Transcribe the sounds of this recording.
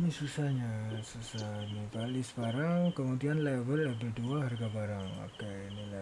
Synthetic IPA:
nisusahɲasusanibalisbaɾaŋkəmud̪ianlabəlɛbəduaɦarɡabaɾaŋa̰kanila

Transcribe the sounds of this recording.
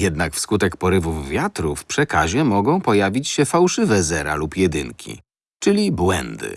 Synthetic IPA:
jɛd̪nakfskut̪ɛkpɔɾɘvuvːʲjat̪ɾufpʂɛkaʑɛmɔɡɔ̃w̃pɔjavʲit͡ɕɕɛfawʂɘvɛzɛɾa̰lupjɛd̪ɘ̰ŋkʲʰḭ | t͡ʂɘlʲibwɛ̰nd̪ɘ̰

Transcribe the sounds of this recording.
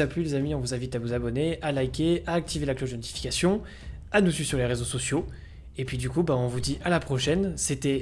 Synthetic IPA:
aplylezamiɔ̃vuzɛ̃vit̪avuzabɔnealajkʲeaːk̚t̪ivelaklod̪ənɔt̪i̥fi̥kʲasjɔ̃ | anusysyʁleʁezosɔsjo | epɥid̪ykubaɔ̃vud̪iʔalapχɔʃɛnset̪ɛ

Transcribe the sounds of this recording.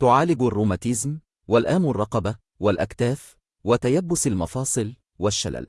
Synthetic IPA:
t̪ʊʕaːlɪɡarˤːuːmat̪ɪzm | walʔaːmarˤːɑqɑba | walʔakt̪aːf | wat̪ajabːʊsalmɑfɑːsˤɨl | waʃːa̰la̰l

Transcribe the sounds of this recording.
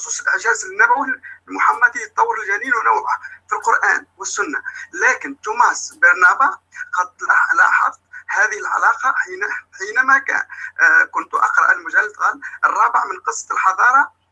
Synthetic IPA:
xsˤuːsˤəlʔɪʕʒæːzɪnːæbæwilmʊħamːæd̪ijt̪ˤːɑwːəɾɪlʒæniːlwnawʕʊfilqʊɾʔæ̰ːnwəsːʊnːalæːkɪnt̪umasbɑɾˤnæbaqɑt̪lɑlɑ̰ħɑ̰ðˤt̪hæðəhɪlʕa̰lɑːqɑħinħiːnmækæ̰ | kʊnt̪uʔɑ̰qɾˤɑ̰ʔəlmʊʒælːt̪ɣɑlərˤːɑːbəʕmənqəsˤːɑ̥lħɑd̪ˤɑːɾˤɑ

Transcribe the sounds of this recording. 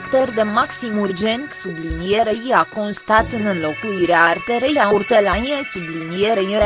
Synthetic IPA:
kt̪ərd̪emaksimurd͡ʒent̪sublinijeɾejiakonst̪at̪ɨnɨnlo̞kuliɾeart̪eɾejaurt̪əlaniesublinijeɾei

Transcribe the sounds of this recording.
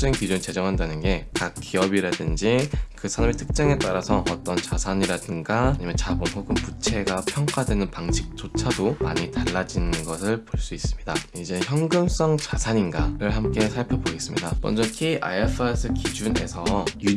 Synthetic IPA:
d͡ʑ͈ʌikid͡ʑunt͡ɕe̞d͡ʑʌŋɦandanɯnɡe̞kakk͈ːiʌbiɾadɯnd͡ʑikɯsʰaɾamitʰɯk̚t͡ɕ͈aŋe̞t͈aɾasʰʌʌt͈ʌnt͡ɕasʰaɲiɾadɯŋɡaɲimʌnt͡ɕabɯnɦoɡɯmput͡ɕʰe̞ɡapʰjʌŋk͈wadwe̞nɯnpaŋt͡ɕʰik̚t͡ɕ͈ot͡ɕʰadomaɲitaɭːad͡ʑinɯnɡʌsʰɯɭpoɭs͈uis͈ɯmɲida | id͡ʑe̞çjʌŋɡɯms͈ʌŋt͡ɕasʰaɲinɡaɾɯɭhamk͈e̞sʰaɭpʰjʌboɡe̞s͈ɯmɲidamʌ̰nd͡ʑʌkʰeiʔa̰epʰɯesʰɯkid͡ʑune̞̰sʰʌju

